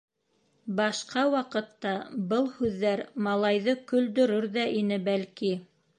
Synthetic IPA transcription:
bɑʃqɑwɑqɤ̆t̪ːɑbɤlˠhʉðːæɾmɑlˠɑjðɤkɵ̆ld̪ɵ̆ɾɵɾðæʔinɘbælki

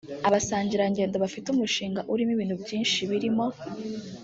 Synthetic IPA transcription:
aβasaːɲɟiɾaɲɟe̞ːndoβafitumuʃiːŋɡaʔuɾimiβiːn̥hubɟiːnʃiβiɾimo̞

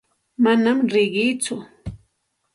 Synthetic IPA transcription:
manamɾɪɢɪt͡sʊ

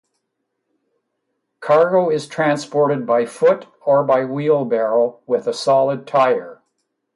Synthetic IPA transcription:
kʰɑɹɡoʊɪz̥tʰɹ̥æ̃nspɔɹɾɨd̚baɪfʊɾ | ə˞baɪwilˠbɛɹl̩ˠwɪðəsɑlˠəd̚tʰaɪə˞

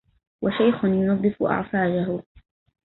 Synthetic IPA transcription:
waʃajxʊnjʊnɑd̪ˤːɨfʊ̰ʔɑ̰ʕsɑːd͡ʒaɦʊ

